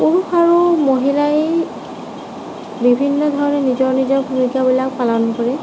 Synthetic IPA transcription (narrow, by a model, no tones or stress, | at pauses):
punuxaɹumoɦilaj | bibʱinːɔd̪ʱɔɹɔnɛnizɔɹnizɔɹbʱumikabilak̚palɔnɔkɔɹɛ